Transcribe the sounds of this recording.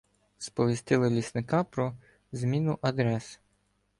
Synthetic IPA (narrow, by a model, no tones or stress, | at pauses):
spɔʋʲisʲt̪ɪlˠɪlʲisnɪkɑpɾɔ | zmʲinʊʔɐd̪ɾɛs